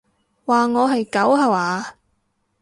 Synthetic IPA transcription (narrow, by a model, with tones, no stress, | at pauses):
waː˨˩ŋɔː˨˧ɦɐ˨jkɐ˨˥wɦɐ˨waː˨˧